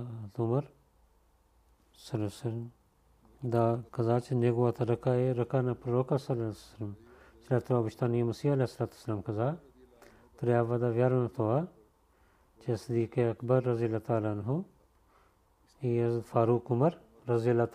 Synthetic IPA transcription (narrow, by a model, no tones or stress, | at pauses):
t̪umɐɾ | sɐlɐsɐɾ | d̪akɐzaːt͡ʃʰɐneɡwaːt̪ʰɐɾɐkaeɾɐkaːnapɾɐɾoːkasɐlsɐlmslaːt̪oaːbiʃt̪aːniɐmɐsiːɐleːsːɐlaːt̪uɐsɐlaːmkɐzaː | t̪ɐɾjaːʋad̪aːʋjaːɾnat̪ʰoaː | t͡ʃʰesɐd̪iːkeɐkbɐɾːɐzijɐlaːt̪aːlaːnɦũ | iːɐzd̪faːɾuːkʊmɐɾː | ɐzijɐlaːt̪ː